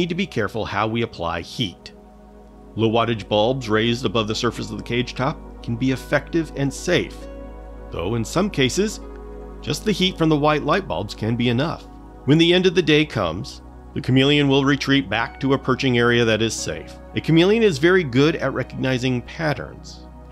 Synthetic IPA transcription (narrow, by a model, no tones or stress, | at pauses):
id̚tɨbikʰɛɹfl̩ˠhaʊwiɨpʰl̥a̰ɪhit | loʊwɑɾɨd͡ʒbɑlˠbzɹeɪzdəbʌvðɨsɜ˞fɨsʌvðɨkʰeɪd̥ʒ̥tʰɑp̚kʰn̩biɨfɛk̚tɨvɨ̃nseɪfðo̰ʊɨ̃nsʌ̃mkʰeɪsɨz̥ | d̥ʒ̥ʌst̪̚ðɨhitfɹʌ̃mðəwaɪtˡlaɪt̚b̥ɑ̰lˠbz̥kʰɨ̃nbiɨnʌ̰f | wɨ̃nðiɛ̃ndʌvðɨdeɪkʰʌ̰̃mz̥ | ðɨkʰɨmjilˠiɨ̃nwɪlˠɹitʰɹ̥it̚b̥æk̚tʰɨɨpʰɜ˞t͡ʃɪ̃ŋɛɹiɨðɨɾɨz̥sḛɪf | ɨkʰɨmjilˠiɨ̃nɨzvɛɹiɡʊɾɨ̰t̚ɹʔɛkɨɡ̚naɪzɪ̃ŋpʰæɾə̰̃˞nz̥